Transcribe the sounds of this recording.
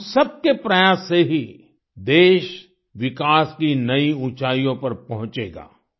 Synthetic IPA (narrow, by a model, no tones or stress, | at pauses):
sɐb̚kepɾɐjaːsːeɦi | d̪eːʃ | ʋɪkaːskinɐiũːt͡ʃaːijõpɐɾpɐɦʊ̃t͡ʃeːɡa̰ː